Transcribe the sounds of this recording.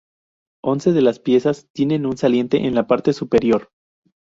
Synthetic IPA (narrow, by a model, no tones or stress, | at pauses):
o̞nse̞ðe̞laspje̞sast̪je̞ne̞nunsalje̞nt̪e̞̰ʔenlapaɾt̪e̞supe̞ɾjo̞ɾ